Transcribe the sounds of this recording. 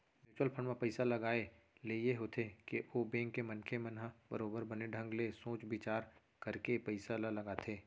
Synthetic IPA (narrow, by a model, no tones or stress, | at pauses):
ʋɪɾt͡ʃuwəlpʰəɳmẽpɐɪsalɐɡaːe | lejeɦoːt̪ʰekeobẽːŋkːemɐnkʰemɐnɦabə̰ɾoːbəɾbɐneɖʱə̃ŋɡlesõːt͡ʃbɪt͡ʃaːɾ | kɐɾkepɐɪsalalɐɡaːt̪ʰeː